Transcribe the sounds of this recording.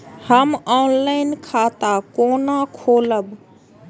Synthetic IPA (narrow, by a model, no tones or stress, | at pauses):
həmɔːnlaɪnkʰaːt̪akoːnakʰoːləb